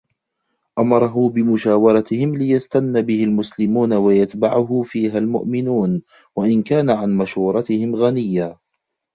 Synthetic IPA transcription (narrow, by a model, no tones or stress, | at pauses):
ʔamɑɾˤɑɦʊbɪmʊʃaːwɑɾˤɑt̪ɪhɪmlɪjast̪anːabɪhɪlmʊslɪmuːnawajat̪baʕʊɦʊfiːɦalmʊ̰ʔmɪnuːn | waʔɪnkaːnaʕanmaʃhuːɾˤɑt̪ɪhɪmɣanɪjːa